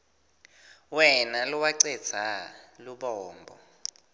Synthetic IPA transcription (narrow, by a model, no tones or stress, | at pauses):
wɛnaluwaǀɛd̥d͡z̥ʱaluɓɔːmbʱɔ̰